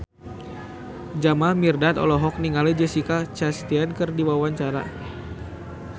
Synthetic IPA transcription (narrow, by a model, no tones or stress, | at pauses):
d͡ʒamalmirdat̪ɔ̰lɔɦɔk̚niŋaled͡ʒəsikat͡ʃast̪iankɨrdiwawaɲt͡ʃaɾa̰